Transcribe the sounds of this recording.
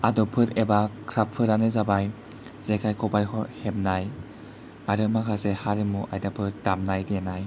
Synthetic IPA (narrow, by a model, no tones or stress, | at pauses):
adɔpʰɯɾebakʰɾapʰːɯɾanɯzabaj | z̥ekʰajkʰɔbajhɔhep̚naj | aɾɯmakʰasehaɾimuʔajdapʰɯɾdamnajdenaj